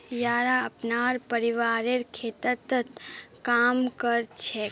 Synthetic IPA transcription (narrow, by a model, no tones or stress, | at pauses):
jaːɾaəpnaːɾpəɾiʋaːɾeɾkʰeːt̪ət̪ːət̪kaːmkəɾt͡ʃʰe